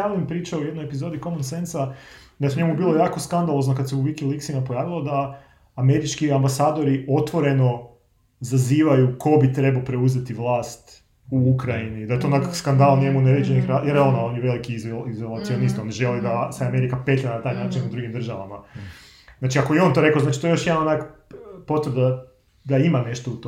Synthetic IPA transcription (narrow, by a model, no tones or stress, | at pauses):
aʋilimpɾiːt͡ʃaujed̪nojepizo̞d̪iko̞monsensad̪ajeuɲe̞mubilˠo̞jaːko̞skand̪alˠo̞znokad̪seuʋikilˠiksinapo̞jaːʋilˠod̪aː | me̞ɾit͡ʃkiambasaːd̪o̞ɾiʔo̞t̪ʋo̞ɾe̞no̞ | zaziːʋajuko̞bit̪ɾe̞balopɾe̞uze̞t̪iʋlˠaːst̪ | uukɾainid̪aje̞t̪oːnakakskand̪alˠɲe̞muneɾed͡ʒenixɾajeɾonaonjʋe̞likizizolˠat̪sionist̪io̞niʒe̞lid̪aseame̞ɾikapet̪lʲilanat̪aːjnaːt͡ʃinud̪ɾuɡimd̪r̩ʒaʋama | znaːt͡ʃiakojeo̞nt̪oɾe̞koznat͡ʃi̥t̪oeo̞ʃjed̪anonakpo̞t̪ʋəɾd̪a | d̪aimane̞ʃt̪out̪o